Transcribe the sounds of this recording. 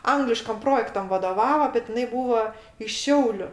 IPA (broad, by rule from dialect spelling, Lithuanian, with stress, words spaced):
ˈɐŋɡlʲɪʃkɐm ˈproːjɛktɐm ʋɐdoːˈʋɑːʋoː bʲɛt ɪˈnɐɪ ˈbuːʋoː ɪʃ ˈʃʲɛʊlʲʊ